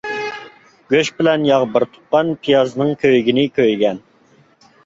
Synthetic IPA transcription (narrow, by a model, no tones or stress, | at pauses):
ɡ̥ʲøʃbɪlɛnjɑʁbəɾt̪ʰu̥p̚qɑnpʰijɑznɨŋkʲʰøjɡʲinɪkʲʰøjɡʲɛn